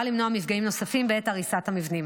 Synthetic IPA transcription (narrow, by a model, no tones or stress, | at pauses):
alimnoamifɡaimno̞safimbeetaʁisathamivnim